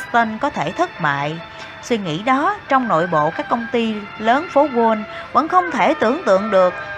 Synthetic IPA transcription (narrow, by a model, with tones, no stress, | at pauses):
t̪ə˧nkɔ˨˦t̪ʰe˧˩t̪ʰɨ˦˥t̚ma̰ː˧˨j | swi˧ŋḭ˧˥ɗɔ˨˦t͡ɕɔ˧wŋ͡mno̰˧˨jɓo̰˧˨kaː˦˥kːə˧wŋ͡mt̪i˧ | ləː˨˦nfo˨˦ɣo˧nvə̰˧˥nxə˧wŋ͡mt̪ʰe˧˩t̪ɨ˧˩əŋt̪ɨ̰˧˨əŋɗɨ˨˩ək̚